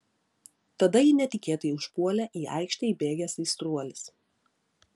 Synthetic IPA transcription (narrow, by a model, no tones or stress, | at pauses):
t̪ɐd̪ɐjɪnʲɛt̪ʲɪkʲeːt̪oiʊʃpuɔlʲæʔiːɐ̰ɪkʃʲt̪ʲɛbʲeːɡʲɛsiːst̪ɾuɔlʲɪs